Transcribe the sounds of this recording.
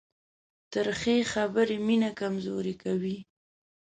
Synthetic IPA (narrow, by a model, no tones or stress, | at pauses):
t̪əɾxexabəɾeminakamzo̰ɾekawi